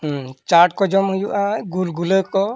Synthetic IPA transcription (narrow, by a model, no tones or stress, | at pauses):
t͡ʃaʈ̚kɔd͡ʒɔmɦujuʔaɡulɡuləkɔ